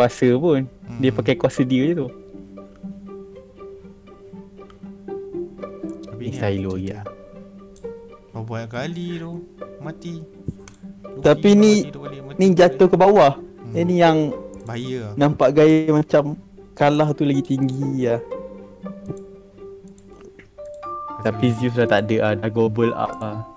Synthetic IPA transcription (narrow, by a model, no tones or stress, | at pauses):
kuasəpʊndiəpakajkuasədiəit̪u | nisailoɡia̰ | ali | a | t̪apininid͡ʒat̪ʊhkəbawahinijaŋjnampaʔɡajəmat͡ʃam | kalaht̪ulaɡit̪iŋɡijah | t̪apizius̬laht̪aʔdəʔadaɡobəla̰pa